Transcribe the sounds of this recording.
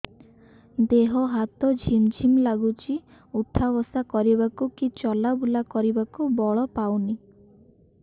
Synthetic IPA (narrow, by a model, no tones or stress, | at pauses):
d̪eɦɔɦat̪ɔd͡ʒʱimd͡ʒʱimlaɡut͡ʃʰi | ut̪ʰːabɔsakɔɾibakukit͡ʃɔlabulakɔɾibakubɔɭɔpawni